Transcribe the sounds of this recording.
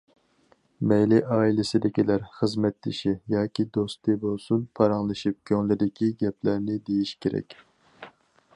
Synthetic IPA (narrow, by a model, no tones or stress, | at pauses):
mɛjlɪʔɑːilɪsɪd̪ɪkʲilæɾχəzmɛt̪lɪʃijɑːkʲid̪ost̪ɨbolˠsunpʰɑɾɑŋlˠɨʃip̚kʲʰøŋlɪd̪ɪkʲʰiɡʲɛplæɾnɪd̪ejiʃkʲʰeɾɛ̰kʲ